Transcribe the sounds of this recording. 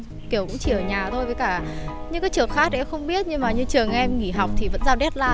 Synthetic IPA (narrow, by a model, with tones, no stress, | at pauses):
ki˧˩əwkʊ̰˧˥ŋ͡mt͡ɕi˨˩ʔəː˧˩ɲaː˨˩t̪ʰo˧jvəː˨˦jkaː˧˩ɲɨ̰˧˥kaː˨˦jt͡ɕɨ˨˩əŋxaː˦˥t̚ʔɛ̰˧mxə˧wŋ͡mɓi˦˥ət̚ɲɨ˧ŋmaː˨˩ɲɨ˧t͡ɕɨ˨˩əŋʔɛ˧mŋi˧˩ɦa˨˩wk͡p̚t̪ʰi˨˩və̰˧˥nzaː˧wɗɛ˦˥t̚laː˧